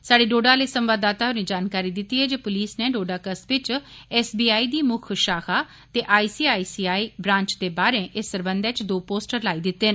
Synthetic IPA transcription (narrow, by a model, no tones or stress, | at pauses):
saːɖeːɖoːɖaːleːsə̃mʋaːd̪aːt̪aːɦʊneːd͡ʒaːnkaːɾiːd̪ɪt̪ːiːɦɛːd͡ʒeːpʊliːsneːɖoːɖaːkəsʋɪt͡ʃɛːsbiːaːiːd̪iːmʊkʰʃaːkʰaː | t̪eːʔaːiːsiːaːiːsiːaːiːbɾãːɲt͡ʃd̪eːbaːɾẽʔɪsːəɾbə̃nd̪ɛ̃ːt͡ʃd̪oːpoːsʈəɾlaːiːd̪ɪt̪ːeːn